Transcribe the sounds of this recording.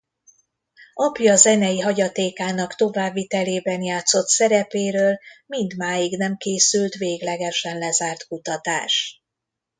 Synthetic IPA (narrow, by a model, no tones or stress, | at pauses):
ʔɒpjɒːzɛnɛjiɦɒɟɒt̪eːkaːnɒkt̪o̞vaːbːit̪ɛleːbɛnjaːt̪so̞t̪sɛɾɛpeːɾøːlmind̪maːjiɡnɛmkeːsylt̪ʋeːɡlɛɡɛʃɛnlɛzaːrt̪kut̪ɒt̪aːʃ